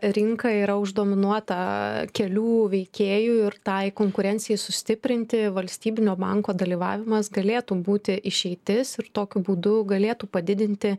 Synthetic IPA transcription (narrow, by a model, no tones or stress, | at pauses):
ɾʲɪŋkɐiːɾɐʊʒd̪oːmʲɪnuɔt̪ɐkʲɛlʲuːʋʲɛɪkʲeːjuːɪrt̪ɐɪkoːŋkʊɾʲɛnʲtsʲɪjɛɪsʊsʲt̪ʲɪpʲɾʲɪnʲt̪ʲɪʋɐlʲsʲt̪ʲiːbʲɪnʲoːbɐŋkoːd̪ɐlʲiːʋɑ̰ːʋʲɪmɐsɡɐlʲeːt̪uːbuːt̪ʲɪʔɪʃʲɛɪt̪ʲɪsɪɾt̪oːkʲʊbuːd̪ʊɡɐlʲeːt̪uːpɐd̪ʲɪd̪ʲɪnʲt̪ʲɪ